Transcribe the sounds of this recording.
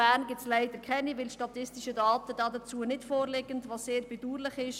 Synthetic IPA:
æːɾnɡɪt͡slæɪdəɾkʰɛnivɪlʃtɑtɪstiʃədɑːtəd̥ɑːdət͡suːənɪtfoːɾlɛɡəntʋɑsseːɾbɛd̥uːɾlɪχɪʃ

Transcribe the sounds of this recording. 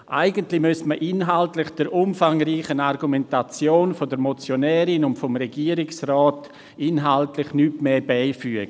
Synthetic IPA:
ʔa̰ɪɡəntlɪmøstməʔɪnɦaltlɪχd̥əɾʔʊmfaŋɾiːχənaɾɡumɛntat͡sjoːnfodəɾmot͡sjonɛːɾɪnʊntfɔmɾeɡiːəɾɪksrɔːt | ɪnɦaltlɪχnytmeːbaɪfyəɡ̥ə

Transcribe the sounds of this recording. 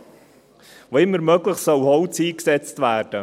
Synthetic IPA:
voːɪmːəɾmœːɡləχsœʊhɔwt͡siːksɛt͡stvæːɾd̥ə

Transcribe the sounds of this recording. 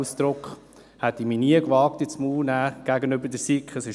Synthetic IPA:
sd̪̥ɾʊkχ | hɛt̪iminiəkʋɑːk̚t̪it͡smuːlnæːɡ̥æɡənøbədəsikχəsɪʃ

